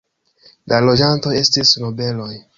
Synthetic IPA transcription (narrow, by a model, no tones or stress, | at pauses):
lʔalo̞d͡ʒanto̞je̞stisno̞be̞lo̞j